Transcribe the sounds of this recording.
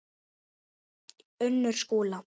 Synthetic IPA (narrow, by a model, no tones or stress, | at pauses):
ʏnːʏɾ̥skɔːla